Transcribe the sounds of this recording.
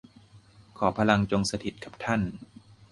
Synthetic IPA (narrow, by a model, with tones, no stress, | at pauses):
kʰɔː˩˦pʰa˧la˧ŋt͡ɕo˧ŋsa˧t̪ʰi˨˩t̪̚kʰa˨˩p̚t̪ʰa˥˩n